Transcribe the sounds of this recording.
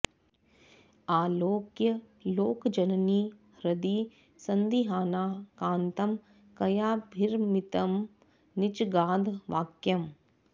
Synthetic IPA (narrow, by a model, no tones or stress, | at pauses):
aːloːkjɐ | loːkd͡ʒɐnniː | ɾɐd̪iː | sɐnd̪iɦaːnaːkãːnt̪ɐm | kɐjaːbʱɪɾmɪt̪ɐm | nɪt͡ʃɡaːd̪ʱʋaːkjɐm